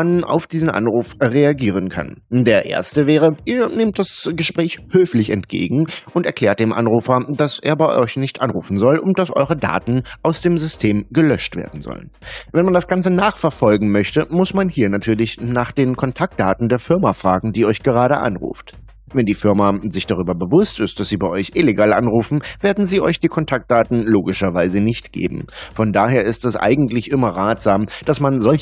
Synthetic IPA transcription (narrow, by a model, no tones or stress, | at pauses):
ana̰ʊfd̥iːzən̩ʔa̰nʁuːfʁeaɡiːʁ̞ənkʰa̰ndeːɐʔḛːɐstəvɛːʁ̞əʔiːɐnɪmt̚d̥asɡ̥əʃpʁ̥ɛːçhøːflɪçɛ̰ntɡ̥ḛːɡŋ̩ʔʊntɛɐkl̥ɛːɐt̚d̥eːmʔa̰nʁuːfɐd̥aseːɐbaɪʔɔʏçnɪçtʔanʁuːfn̩zɔlʔʊnd̥asʔɔ̰ʏʁəda̰ːtn̩ʔaʊsd̥eːmzʏstʰeːmɡəlœʃtv̥ḛːɐdn̩zɔ̰lə̰nvɛnmandasɡ̥ant͡sənaːχfɛɐfɔlɡŋ̩mœçtəmʊsmanhiːɐnatʰyːɐlɪçnaːχd̥eːnkʰɔntʰak̚t̚d̥aːtn̩deːɐfɪɐmafʁ̥aːɡŋ̩diːɔʏçɡ̥əʁaːɾə̰ʔa̰nʁṵːft | vɛndiːfɪɐmazɪçd̥aʁ̞yːbɐbəvʊstɪst̚d̥asz̥iːbaɪʔɔʏçʔɪleɡaːlʔa̰nʁuːfn̩veːɐdn̩ziːʔɔʏçd̥iːkʰɔntʰak̚t̚d̥aːtn̩loːɡɪʃɐvaɪzənɪçtɡ̥ḛːbm̩fɔndaːheːɐɪstɛsʔa̰ɪɡŋ̩tlɪçʔɪmɐʁaːtz̥aːmd̥asmanzɔlç